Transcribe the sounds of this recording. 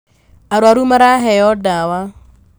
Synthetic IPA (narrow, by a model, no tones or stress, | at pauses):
aɾwaɾumaɾaɦɛjɔdawa